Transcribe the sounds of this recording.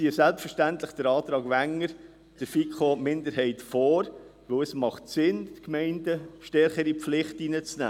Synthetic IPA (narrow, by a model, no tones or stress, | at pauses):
sisælpsfəɾʃtæntləχd̥əɾɑːt̪ɾɑːɡʋæŋːəɾ | d̥əɾfikχomɪnd̪əɾhɛɪtfɔːɾʋɵwəsmɑχtsɪntkmɛɪndəʃtɛɾχəɾipflɪχtinət͡snæ̰ː